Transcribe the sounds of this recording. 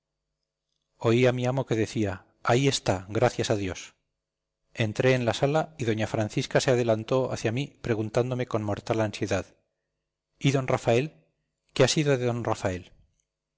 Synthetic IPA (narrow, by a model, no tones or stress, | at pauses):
o̞iamiamo̞ke̞ðe̞θia | aie̞st̪aɣɾaθjasaðjo̞s | e̞nt̪ɾe̞ːnlasalaiðo̞ɲafɾanθiskase̞að̞e̞lant̪o̞a̰θjamipɾe̞ɣunt̪and̪o̞me̞ko̞nmo̞ɾt̪alansje̞ðað | iðo̞nrafae̞l | keasiðo̞ðe̞ðonrafae̞l